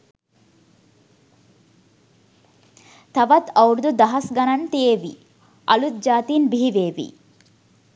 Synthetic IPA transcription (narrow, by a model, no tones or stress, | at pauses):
t̪ʰɐʋɐt̪ʰɐwɽd̪ud̪ɐɦɐsɡɐnɐnt̪ieːʋi | ɐlut̪̚d͡ʒaːt̪iːnbʱiːʋeːʋḭ